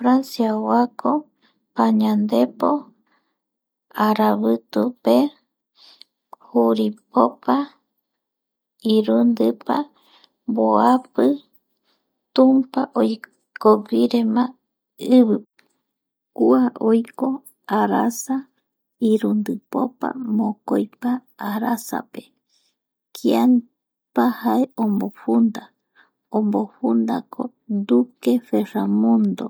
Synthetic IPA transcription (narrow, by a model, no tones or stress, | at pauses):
fɾansjawakʰo | paɲãnd̪epo | aɾaβɨt̪upe | huɾipopa | iɾund̪ɨpa̰ | mboapɨ | t̪umpaʔoj | koɡiɾemã | ɨβɨ | kuaʔojko̞ | aɾasa | iɾund̪ɨpo̰pa̰mõkojpaːɾasa̰pe | kʰian | pahaeõmbofund̪a | õmboɸund̪a̰kʰo | nd̪ukeferamũnd̪o̰